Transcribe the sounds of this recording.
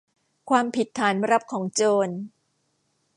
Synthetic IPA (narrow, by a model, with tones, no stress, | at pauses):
kʰwaː˧mpʰi˨˩t̪ʰːaː˩˦nɾa˦˥p̚kʰɔː˩˦ŋt͡ɕoː˧n